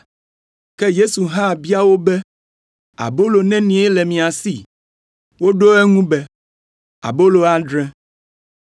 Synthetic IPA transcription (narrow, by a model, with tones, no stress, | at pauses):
kɛ˦je˦su˨ɦã˦˨bi˦a˦wo˦bɛ˦ | a̰˨bo˦lo˨nɛ̃˦nĩ˨˦e˦lɛ˨mĩ˨a˨si˦˨ | wo˦ɖo˦ɛ˦ŋũ˦bɛ˦ | a̰˨bo˦lo˨a˦ɖɾɛ̃˦